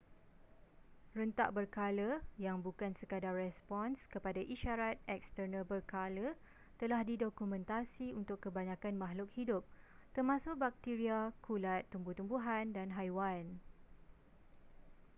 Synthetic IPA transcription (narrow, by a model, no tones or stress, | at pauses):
rənt̪a̰ʔbərkaləjaŋbukansəkadarrɛspɔnskəpadaʔiʃaɾat̪̚ɛk̚st̪ərnə̃lbərkalə | t̪əlahdidokumɛ̃nt̪asiunt̪ʊkːəbaɲãkanmaɦlʊk̚hidʊp̚t̪ərmãsʊk̚bak̚t̪iɾiakʰulat̪ːumbut̪umbuɦandanɦajwan